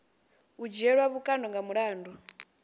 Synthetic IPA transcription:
ud͡ʒiɛɺwaβukʼandɔŋɡamuɺaːndɔ

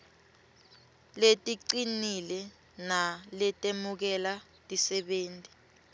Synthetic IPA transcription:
letʼiǀinilɛ | nalɛtʼemuk̬ɛla | tʼisɛɓeːntʼi

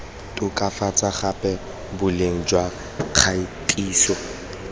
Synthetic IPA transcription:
tʼʊkʼafat͡sʼaχapʼɛ | bʊleŋ̩d͡ʒwa | q͡χʰaitʼiːsɔ

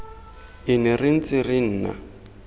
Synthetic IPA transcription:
ɪnɪrɪn̩t͡sɪrɪn̩ːna̰

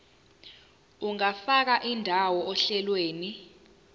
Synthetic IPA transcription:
uŋafak̬aʔindʱawɔʔɔɬɛlweːni

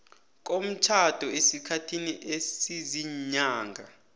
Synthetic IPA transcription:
k̬ʼom̩t͡ʃʰad̥ʱɔesikʰatʰiniʔesiziɲaːŋɡʱa̰

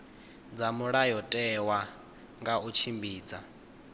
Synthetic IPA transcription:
d͡zamuɺajɔtʼɛwa | ŋɡaut͡ʃʰimbiːd͡za

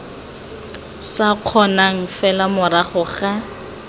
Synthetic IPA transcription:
saq͡χʰɔnaŋ̩fɛlamʊɾaχʊχa

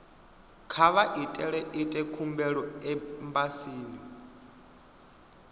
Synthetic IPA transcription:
kʰaβaʔitʼɛɺɛʔitʼɛkʰumbɛɺɔɛmbasiːni

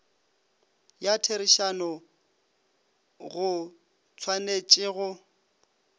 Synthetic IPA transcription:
jatʰeɾɪʃanɔ | ɣʊ | t͡sʰwanet͡ʃʼɪɣʊ

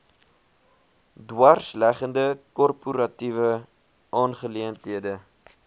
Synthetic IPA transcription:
dwɐrslæχəndəkɔrpuɾɐtivə | ʔɑːnχəliəntɦiədə

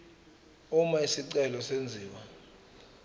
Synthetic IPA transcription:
umaisiǀɛlɔsend͡zʱiːwa

